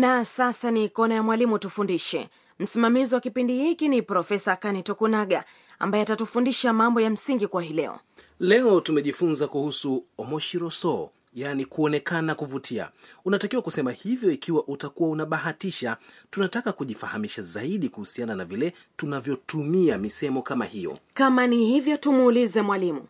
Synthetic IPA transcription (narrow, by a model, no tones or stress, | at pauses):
nasasanikɔnajamwalimutufundiʃɛ̰ | m̩simamiziwakipindihikinipɾɔfɛsakanitɔkunaɠa | a̰mbajɛatatufundiʃamambɔjam̩siŋɡikuwahilɛɔ̰lɛɔtumɛʄifunzakuhusuɔmɔʃiɾɔsɔ | janikuɔnɛkanakuvutʰia̰unatakiwakusɛmahivjɔikiwaʔutakuwaunaɓaɦatiʃatunatakakuʄifahamiʃazaiɗikuhusiananavilɛ | tunavjɔtumiamisɛmɔkamahijɔ̰kamanihivjɔtumuːlizɛmwalimṵ